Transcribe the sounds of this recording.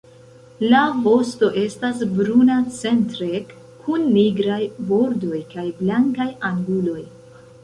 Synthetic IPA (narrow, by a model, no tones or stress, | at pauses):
lavo̞sto̞ʔe̞stas̬bɾunat͡se̞ntɾek | kʰːunːiɡɾajbo̞ɾdo̞jkajblaŋkajaŋɡulo̞j